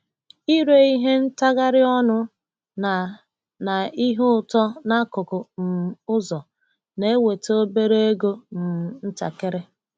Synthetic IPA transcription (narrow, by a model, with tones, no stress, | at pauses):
i˦ɾe˨i˦ɦe˦n̩˦ta˦ɣa˦ɾɪ˦ɔ˦nʊ˦˨ | na˨i˦ɦʊ˦ʊ˨tɔ˦na˦kʊ˨kʊ˨n̩˨ʊ˦zɔ˨ | ne˦e˦we˨to˦be˦ɾe˦e˦ɡo˦m̩˨n̩˦ta̰˨ke˦ɾe˦